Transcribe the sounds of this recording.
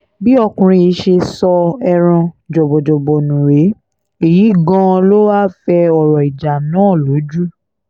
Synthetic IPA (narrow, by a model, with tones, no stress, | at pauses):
bi˦ɔ˧kũ˧ɾ̃ĩ˧i˨˧˦ʃe˧sɔ˧ɛ˧ɾ̃ã˧d͡ʒɔ˨bɔ˨d͡ʒɔ˨bɔ˨nũ˨ɾe˨˦ | e˦˨ji˨˦ɡã˧lo˦wa˦fɛ˧ɔ˨ɾɔ˨i˨d͡ʒa˨nãː˨˦˨lo˨˦d͡ʒu˦